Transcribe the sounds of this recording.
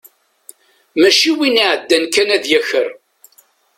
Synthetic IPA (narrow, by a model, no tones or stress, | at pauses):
mæʃiwiniʕəd̪ːænkænæðjæçəɾ